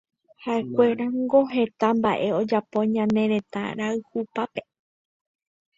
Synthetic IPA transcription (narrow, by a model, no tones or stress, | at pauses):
haʔe̞kʷe̞ɾaŋɡoɦe̞t̪ambaʔe̞o̞d͡ʒapo̞ɲãnẽ̞ɾẽ̞t̪a̰ɾaɨhupape̞